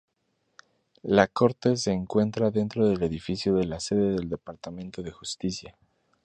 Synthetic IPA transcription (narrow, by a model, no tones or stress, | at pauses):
lako̞ɾt̪e̞s̬e̞ːŋkwe̞nt̪ɾaðe̞nt̪ɾo̞ðe̞le̞ðifisjo̞ðe̞lase̞ðe̞ðe̞ld̪e̞paɾt̪amẽnt̪o̞ðe̞xust̪isja